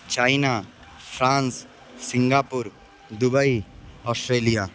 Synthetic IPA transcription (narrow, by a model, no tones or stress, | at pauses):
t͡ʃaːɪna | fʰɾãːns | sɪ̃ŋɡaːpʊɾ | d̪ʊbəiɔːsʈɾeːlija